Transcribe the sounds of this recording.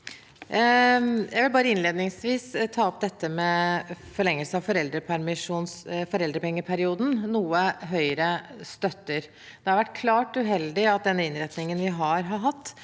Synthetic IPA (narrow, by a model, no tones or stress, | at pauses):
jʔæɪʋɪlbɑːɾəɪnleːd̪nɪŋsʋiːst̪ʰɑːɔp̚d̪ɛt̪ːəmɛfɔɭɛŋːəlsəɑʋfɔɾɛld̪ɾəpʰæɾmɪʂuːnsfɔɾɛld̪ɾəpɛŋːəpʰæɾɪuːd̪n̩nuːəɦœʏɾəst̪œt̪ːəɾ | d̪̥ɛhɑɾʋæʈːkʰlɑːʈʉɦɛld̪ɪɑt̪̚d̪ɛnːəɪnɾɛt̪nɪŋənʋɪɦɑɾɦɑɾɦɑt̪ː